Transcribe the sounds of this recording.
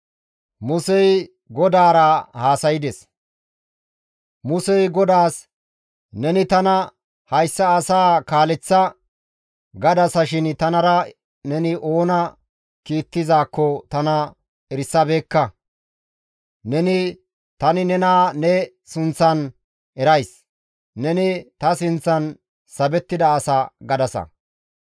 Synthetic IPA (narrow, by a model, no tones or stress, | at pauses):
mʊsɛj | ɡɔd̪aːɾɐhaːsɐjɪd̪ɛs | mʊsɛjɡɔd̪aːs | nɛnɪt̪ɐnɐ | hɐjsːɐːsaːkaːlɛt͡sːɐ | ɡɐd̪ɐsɐʃɪnt̪ɐnɐɾɐ | nɛnɪʔo̞ːnɐ | kiːt̪ːɪzaːkːɔt̪ɐnɐ | ɛɾsːɐbeːkːɐ | nɛnɪ | t̪ɐnɪnɛnaːnɛ | sʊnt͡sːɐn | ɛɾɐjs | nɛnɪt̪ɐsɪnt͡sːɐn | sɐbɛt̪ːɪd̪ɐːsaɡɐd̪ɐsɐ̰